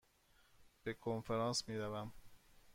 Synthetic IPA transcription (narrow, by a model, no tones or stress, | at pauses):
b̥e̞kʰonfeɾɑːnsmiːɾævæm